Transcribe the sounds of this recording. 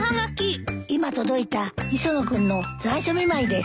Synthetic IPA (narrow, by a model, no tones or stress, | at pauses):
haŋakʲiimat̪o̞d̪o̞it̪aisonokɯ̟̃nːo̞d͡zaiɕomʲimaid̪es